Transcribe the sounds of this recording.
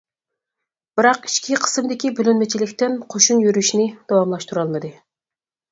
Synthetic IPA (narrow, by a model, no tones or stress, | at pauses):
b̥ɨɾɑqi̥ʃkʲiqʰə̥sɨmd̪ɪkʲibølynmɛt͡ʃʰilɪkʲt̪ɪnqʰoʃunjyɾyʃinɪd̪̥ɑwɑmlˠɑʃt̪uɾɑlˠmɨd̪ɨ